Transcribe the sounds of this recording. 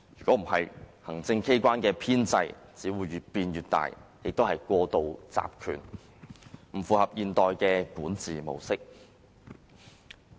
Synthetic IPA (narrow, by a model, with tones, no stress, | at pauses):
jyː˨kɔː˨˥m̩˨˩ɦɐ˨jhɐ˨˩ŋt͡sɪ˧ŋkʰe˥jkʷwaː˥nkɛː˧pʰiː˥nt͡sɐ˧jt͡siː˨˥wuː˨˧jɥyː˨t̚piː˧njyː˨t̚t̪a̰ː˨˩jjɪ˨k̚t̪o˥whɐ˨˩jkʷɔː˧t̪o˨wt͡sa̰ː˧p̚kʰy̰ː˨˩n | m̩˨˩fuː˨hɐ˨p̚jiː˨nt̪ɔː˨jkɛː˧kuː˨˥nt͡siː˨mo̰˨˩wsɪ˥k̚